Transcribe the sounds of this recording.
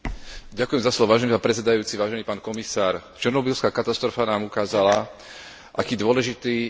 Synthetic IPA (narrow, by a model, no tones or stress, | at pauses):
ɟakujɛmzaslɔʋɔʋaːʒɛnipaːpɾɛt͡sɛd̪ajuːt͡siʋaːʒɛniːpaːnkɔmisaːɾt͡ʃɛɾnɔbiːlskaːkat̪ast̪ɾɔfanaːmukaːzala | ʔakiːd̪ʊɔlɛʒit̪iː